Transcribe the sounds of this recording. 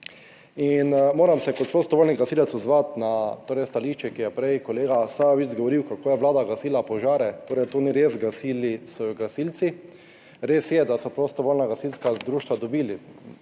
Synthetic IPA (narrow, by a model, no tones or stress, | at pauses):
inmoːɾamsɛkɔt̪̚pɾost̪ɔʋoːlʲniɡasiːlɛt̪sɔzʋat̪nat̪oːɾɛjst̪aliːʃt͡ʃɛkijɛpɾɛjkoleːɡasaʋit͡ʃzɡoʋɔɾiwkakoːjɛʋlaːd̪aɡasiːlapɔʒaːɾɛt̪oːɾɛjt̪oniɾeːzɡasiːlisɔɡasilt̪si | ɾeːsjɛd̪asɔpɾost̪ɔʋoːlnaɡasilskad̪ɾuːʃt̪ʋad̪ɔbiːli